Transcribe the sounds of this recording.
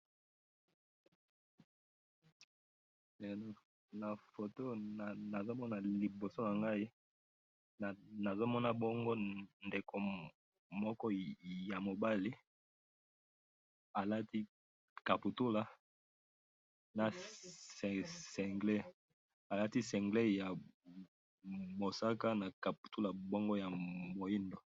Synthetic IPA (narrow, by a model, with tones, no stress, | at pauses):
ɛ˨n˨ | na˨fo˨to˦n˨na˨zo˦mɔ˦na˨li˨bo˨so˦na˨ŋɡa˦i˦˨ | na˨zo˦mɔ˦na˦bɔ˦ŋɡo˦nde˨ko˨ | mɔ˦kɔ˦ja˨mo˨ba˦li˦ | a˨la˦ti˦ | ka˨pu˨tu˦la˨ | na˨ssɛ˨ŋɡle˦ | a˨la˦ti˦sɛ˨ŋɡle˦ja˨ | mo˨sa˦ka˦na˨ka˨p̚u̥˨tu˦la˨bo˦ŋɡo˦ja˨mo˨i˦ndo˨